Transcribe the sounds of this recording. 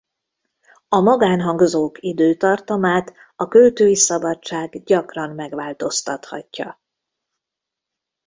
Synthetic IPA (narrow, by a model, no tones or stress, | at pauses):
ɒmɒɡaːnɦɒŋɡzoːkid̪øːt̪ɒrt̪ɒmaːt̪ | ɒkølt̪øːjisɒbɒt͡ʃːaːɡɟɒkrɒmmɛɡʋaːlt̪o̞st̪ɒt̪hɒ̰cːɒ